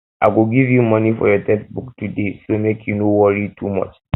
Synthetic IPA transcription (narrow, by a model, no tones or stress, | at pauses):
ʔaɪɡuɡivjumɔnifɔ̰jɔtʰɛt̚buktudesomekʰjunowɔɹitʰumɔ̰t͡ʃ